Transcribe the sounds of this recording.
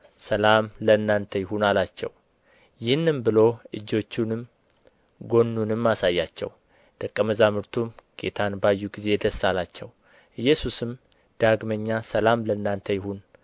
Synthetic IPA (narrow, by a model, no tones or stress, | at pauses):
səlamləɨnːant̪ʰəjɪɦunalat͡ʃːɛ̰w | jɪhnːɨmbɨlo̞ʔɨd͡ʒːo̞t͡ʃːunɨm | ɡo̞nːunɨmːasajːat͡ʃːɛ̰w | d̪̥əkʼːəməzamɨɾt̪ʰumɡ̥e̞̰t̪ʰanbajːuɡize̞d̪əsːalat͡ʃːɛw | ʔɨjːɛsusɨm | d̪̥aɡməɲːasəlamləɨnːant̪ʰəjɪhun